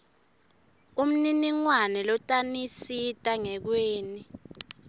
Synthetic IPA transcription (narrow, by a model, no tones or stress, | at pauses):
um̩niniŋwanɛlɔtʼanisitʼaŋɛk̬weːni